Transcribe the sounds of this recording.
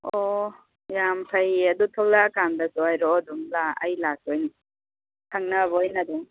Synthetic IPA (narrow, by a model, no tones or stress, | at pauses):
ɔ | jampʰajadutʰɔwlakandasɔajɾɔːdumla̰ːjlak̚ɔjn | tʰaŋnabɔjnad̪ɔ